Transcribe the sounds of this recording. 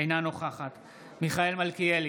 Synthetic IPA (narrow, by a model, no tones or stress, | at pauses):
ejnano̞χaχat̪ | miχae̞lmalkieli